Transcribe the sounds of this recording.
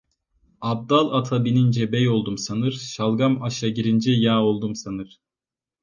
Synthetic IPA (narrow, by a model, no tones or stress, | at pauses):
ab̚d̪alˠat̪ʰabinind͡ʒɛbɛjo̞lˠd̪umsanɯɾ̥ʃalˠɡamaʃaɟiɾind͡ʒɛjaːo̞lˠd̪umsanɯɾ̥